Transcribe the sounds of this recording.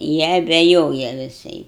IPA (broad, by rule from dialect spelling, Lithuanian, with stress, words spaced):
ˈjiɛ ɐbʲɛˈjoːjɛ ʋʲɪˈsɐɪ